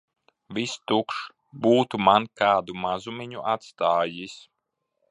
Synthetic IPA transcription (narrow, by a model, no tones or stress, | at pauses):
vist̪ukʃ | buːt̪umankaːd̪umazumʲiɲuʔat̪st̪aːjis